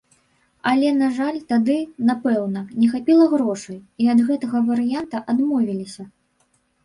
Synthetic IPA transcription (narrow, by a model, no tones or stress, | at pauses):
ɐlʲɛnaʐalʲt̪ad̪ɨnapɛwnɐnʲɛxapʲilˠɐɣɾɔʂɐjiɐd̪ɣɛt̪ɐɣɐvɐɾɨjant̪ɐʔad̪mɔvʲilʲisʲɐ